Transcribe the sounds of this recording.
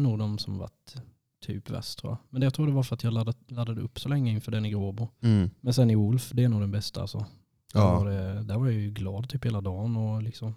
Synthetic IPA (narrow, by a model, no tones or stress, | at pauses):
nuːɡd̪ɔmsɔmva̰ʈ̪ʰː | y̰ːpvɛ̰st̪ʰɾuːjamɛnɛjaɑt̪ʰɾuːd̪ɛvaɾfœɾat̪jɑːlad̪alad̪ːad̪əɵpːsɔlɛŋːəɪnfœːɖɛnːɪɡɾoːbʊmɛnsɛnːɪʊlfd̪ɛːɾnuːɡd̪ɛnbɛst̪aa̰lsɔ | daɖɛd̪æɾvaɾjɑjɡlɑːd̪̚t̪ʰyːpheːlad̪ɑːnɔlɪksɔm